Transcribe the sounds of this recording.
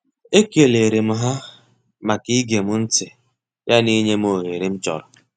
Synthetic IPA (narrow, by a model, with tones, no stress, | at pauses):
e˦ke˨le˨ɾe˨m̩˦ɦa˦ | ma˨ki˦ɡe˨mʊ˦n̩˦tɪ˨ | ja˦ni˦ɲe˦m˦o˨ɦe˨ɾi˦m̩˦t͡ʃɔ̰˨ɾʊ˨